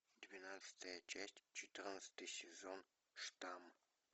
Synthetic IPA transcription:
d̪vʲinat̪sɨ̥t̪ʰɐjɐt͡ʃʰasʲtʲt͡ʃʰɛt̪ʰɨrnəst̪ʰɨjsʲezon | ʂtʰam

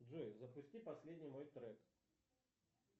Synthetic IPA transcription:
dʐɨzəpʊsʲtʲipɐsʲlʲedʲnʲɪjmojt̪ɾɛk

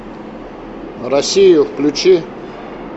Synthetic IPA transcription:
ɾɐsʲijʊfklʲut͡ɕi

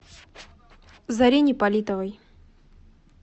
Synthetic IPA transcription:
zɐɾʲinʲipɐlʲit̪əvɐj

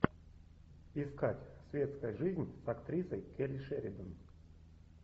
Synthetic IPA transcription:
ɪskatʲsvʲet̪skəjəʐɨzʲnʲsakt̪ɾʲisəjkʲelʲɪʂeɾʲɪd̪ən

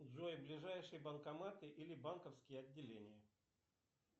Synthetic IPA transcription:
d̪zojɪblʲɪʐajʂɨjəbənkɐmat̪ɨʔilʲɪbankəfskʲɪjəɐdʲːɪlʲenʲɪjə

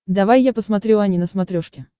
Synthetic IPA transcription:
d̪ɐvajːapəsmɐt̪ɾʲuɐnʲinəsmɐt̪ɾʲoʂkʲɪ

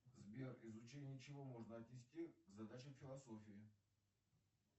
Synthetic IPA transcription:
zbʲerɪzʊt͡ɕenʲɪjət͡ɕɪvo̞mo̞ʐnəɐt̪nʲɪsʲtʲiɡzɐd̪at͡ɕɪfʲɪlˠɐso̞fʲɪɪ

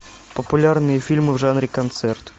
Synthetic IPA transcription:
pəpʊlʲarnɨjəfʲilʲmɨvʐanɾʲɪkɐnt̪sɛrt̪

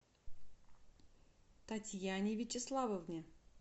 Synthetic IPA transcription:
t̪ɐtʲjanʲɪvʲɪt͡ɕɪslˠavəvnʲɪ

